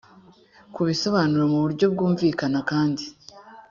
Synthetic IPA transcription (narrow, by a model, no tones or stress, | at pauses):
kuβiso̞βaːnuɾemuβuɾɟo̞b̚ɡuːɱviːkanakaːndi